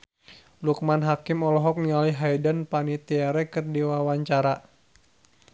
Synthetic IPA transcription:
luk̚manɦakimɔlɔɦɔk̚nialiɦajdənpanit̪iaɾɛkɨrdiwawaɲt͡ʃaɾa

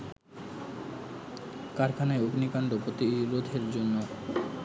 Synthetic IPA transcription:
kaɾkʰanaeoɡnikaɳɖopɾot̪ilod̪ʱeɾd͡ʑonːo

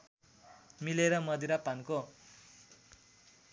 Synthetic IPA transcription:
mileɾʌmʌd̪iɾapanko

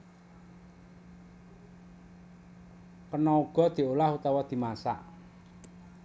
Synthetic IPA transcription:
kənɔuɡ̥ɔ̤d̪̥i̤olahut̪awɔd̪̥i̤masa̰ʔ

